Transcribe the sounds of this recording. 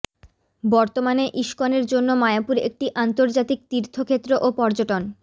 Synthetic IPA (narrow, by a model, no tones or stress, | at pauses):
bɔɾt̪omaneʔiʃkoneɾd͡ʑonːomajapuɾḛk̚ʈiʔant̪oɾd͡ʑat̪ik̚t̪iɾt̪ʰokʰet̪ːɾoʔopɔɾd͡ʑoʈon